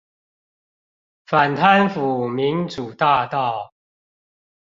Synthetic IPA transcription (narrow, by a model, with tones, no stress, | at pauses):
fa˨˩nt̪ʰa˥˦nfu˨˩mi˧˦˥nt͡su˨˩t̪a˥˧t̪ɑ˥˨ʊ